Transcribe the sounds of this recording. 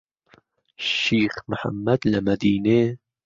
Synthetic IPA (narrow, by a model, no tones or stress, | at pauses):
ʃiːxməħa̰mːɐd̪lɐmɐd̪iːneː